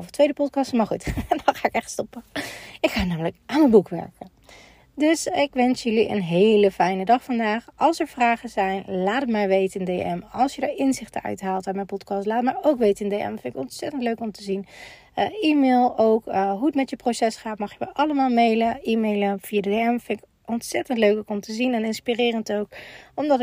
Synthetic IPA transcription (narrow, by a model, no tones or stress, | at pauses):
vətʋejdəpɔt̚kɑstəmaːɹχutdɑnχaːɪkɛχtstɔpəɪkχaːnaːmələkʔaːnənbukʋɛ̰ɹkə | dɵsɪkʋɛnsjɵliʔə̰nɦejləfɛjnədɑχfɑndaːχɑlˠsɛɹv̥raːχəzɛjnlaːdəmajʋejtəəndejʔɛ̰mɑlˠsjədəɹɪnzɪχtəœ̰ɥtɦaːlˠtaːnmɛjnpɔtkɑstlaːtəmaːɹowkʋejtɪndejɛ̰mfɪnɪkɔntsɛtəntløɥkɔmtəzin | imeːlˠowkɦuətmɛtjəprosɛsχaːtmɑχjəmə̰ʔɑləmaːlˠmejləiːmejləv̥ijadədeɛmfɪnɪk | ɔntsɛtəntløɥkokɔmtəzinɛnɪnspirɪːrəntowkɔmdɑt